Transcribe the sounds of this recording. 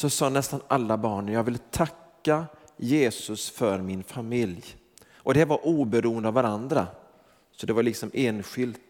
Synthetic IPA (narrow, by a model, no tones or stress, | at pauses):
sɔsɑːnɛst̪anʔalːabɑːɳjɑːɡvɪlt̪ʰakːa | jeːsɵsfœɾmɪnfamɪlj | ʔɔd̪ɛvaɾʔuːbɛɾuːənd̪əavːaɾand̪ɾa̰ | sɔd̪ɛvaɾɭɪksɔmeːnɧɪlt̪